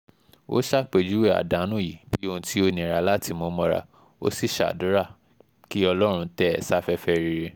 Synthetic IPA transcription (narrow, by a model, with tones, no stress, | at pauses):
o̰˦ʃa˦˨k͡pe˨d͡ʒu˦we˦˨a̰˨da˨˦nũ˦˨ji˨b̥i˦õ˧tʰi˦o˧˦nĩ˨ɾa˧˦la˦ti˧mõ˧˦mɔ̃˧ɾa̰˧ | o̰˦si˦˨ʃa̰˨dũ˨˦ɾa˦˨ | ki˦ɔ˧lɔ˦ɾ̃ũ˧tɛ˦ɛ̰˨sa˦fɛ˧fɛ˧ɾi˧ɾe˧